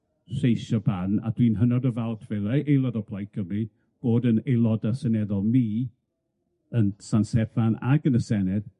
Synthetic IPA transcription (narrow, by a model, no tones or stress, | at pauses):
ɬejʃɔbana̰dwinɦənɔdəvalˠtʰv̥ɛlɛʔejlˠɔdɔpʰlˠajkʰəmni | b̥oːdənejlˠɔdasənɛðɔlˠmiː | ənsansɛfana̰ɡənəsɛnɛð̥